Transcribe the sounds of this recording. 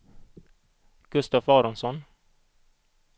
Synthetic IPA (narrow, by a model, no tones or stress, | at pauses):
ɡ̥ɵst̪afɑːɾɔnsɔn